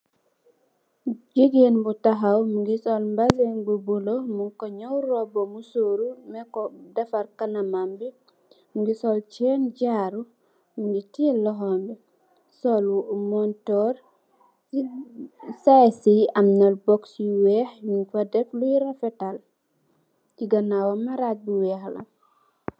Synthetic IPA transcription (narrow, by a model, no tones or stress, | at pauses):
d͡ʒiɡenbutaɦawmɡisɔlmbazenbubulɔmuŋkɔɲawɾɔbɔmusoːɾumɛkɔdafaɾkanamambi | mɡisɔlt͡ʃɛnɟaɾu | mɡitilɔɦɔmbɛ | sɔlwumɔntɔːɾ | sajsiɐmnalbɔksiwɛhjuŋfadɛflujɾafɛtal | tiɡɐnawamaɾat̚buwɛːxlɐ̰n